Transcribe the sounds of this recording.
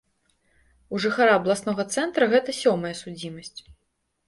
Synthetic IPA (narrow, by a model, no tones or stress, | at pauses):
uʐɨxaɾaɐblˠasnɔɣɐt̪sɛnt̪ɾɐɣɛt̪ɐsʲɔmɐjɐsud͡zʲimɐsʲt͡sʲ